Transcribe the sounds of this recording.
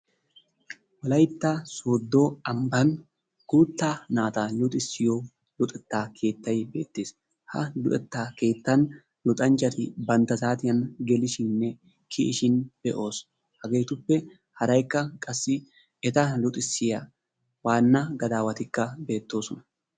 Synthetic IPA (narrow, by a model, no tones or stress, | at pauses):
wɐlɐjt̪ːɐsoːd̪ːoːɐmbɐn | ɡ̥ʊɾt̪ːaːnaːt̪ɐlʊt̪ʼɪsːɪjo | lʊt̪ʼɛt̪ːaːkʰe̞ːt̪ːɐjbe̞̰ːt̪ːeːs | hɐ̰lʊt̪ʼɛt̪ːaːke̞ːt̪ːɐn | lʊt̪ʼɐnt͡ʃːɐt̪ɪbɐnt̪ːɐzaːt̪ɪjɐnɡɛlɪʃɪnːɛ | kʰɪʔɪʃɪnb̥ɛʔo̞ːs | hɐɡe̞ːt̪ʊpːɛ | hɐɾɐjkːɐkʼɐsːɪ | ɛt̪ɐlʊt̪ʼɪsːɪjɐ | waːnːɐɡɐd̪aːwɐt̪ɪkːɐbe̞ːt̪ːo̞ːsɔnɐ̥